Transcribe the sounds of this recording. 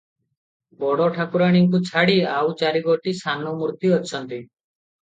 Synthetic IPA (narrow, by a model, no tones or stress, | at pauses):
bɔɽɔʈʰakuɾaɽ̃iŋkut͡ʃʰaɽiawt͡ʃaɾiɡɔʈisanɔmuɾt̪iɔt͡ʃʰɔnt̪i